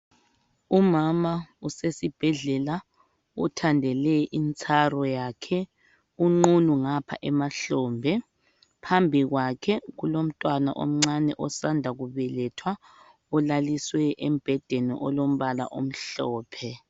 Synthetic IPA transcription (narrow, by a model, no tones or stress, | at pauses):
umamausesib̥ʱɛɮɛla | ṵtʰandʱɛlɛʔint͡sʼʰarɔjakʰɛ | uŋ͡ǃunuŋapʰa̰ʔɛmaɬɔmbʱɛ | pʰambʱiɣwakʰɛɣulom̩tʼwana̰ʔo̰m̩ŋ͡ǀanɛʔɔsandʱaɣuβɛlɛtʰwa | ɔlaliswɛʔɛm̩b̥ʱɛd̥ʱɛnɛ̰ʔɔlom̩βala̰ʔom̩ɬɔːpʰɛ